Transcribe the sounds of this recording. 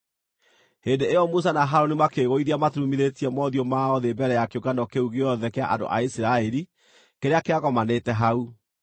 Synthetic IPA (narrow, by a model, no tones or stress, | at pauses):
hendeejɔmus̬anaɦaɾonimakeɣoiðiamatɾumiðetiɛmɔðiomaɔðebɛɾɛjakeokanɔkeuɣeɔðɛkea̰ʔa̰ndo̰ʔa̰isiɾaɛɾi | keɾeakeaɣɔmanetɛɦau